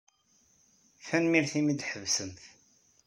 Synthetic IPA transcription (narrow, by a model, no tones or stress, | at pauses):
fænmiɾθimid̪ħəvsəmθ